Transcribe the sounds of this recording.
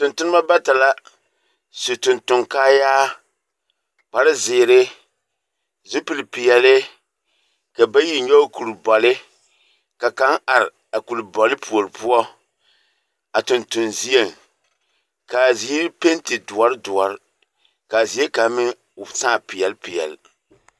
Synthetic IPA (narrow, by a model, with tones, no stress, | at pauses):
tʊ˨ntʊ˦nɨ˦ma˦ba˦ta˨la˦ | su˨tʊ˨ntʊ˨ŋkaː˦jaː˦ | k͡pa˨ɾɪ˦zɪː˨ɾɪ˦ | zu˦pɨ˨lpi˨jɛ˨lɪ˦ | ka˨ba˦ji˨ɲɔ˦ku˨ɾbɔ˨lɪ˦ | ka˨ka˦ŋʔa˨ɾɪ˨ | a˨ku˨lbɔ˨lɪ˦pu˨o˨ɾɨ˨pu˦ɔ˦ | a˨tʊ˨ntʊ˨nzi˦e˦˨ŋ | ka˨zi˨˦i˦pe˦ntɪ˨dʊ˨ɔ˨ɾɪ˦dʊ˨ɔ˨ɾɪ˦ | ka˨zi˨˦e˦ka˨˦mɪ˦ŋ | ʊ˨saː˦˨pi˨jɛ˨lpi˨jɛ̰˨l